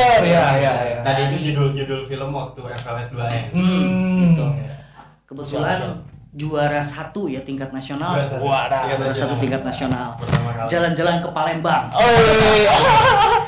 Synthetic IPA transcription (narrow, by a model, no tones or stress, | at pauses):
jajaaiituɡidʊlɡidʊlfiləmwak̚t̪ujaŋpabɛsduaɪ | ɡəʊ | kəbət̪ulan | d͡ʒuaɾasat̪ujat̪iŋkat̪̚nasionalauaɾasat̪ut̪iŋkat̪̚nasionalpərt̪amakald͡ʒaland͡ʒalankəpalɛmbaŋo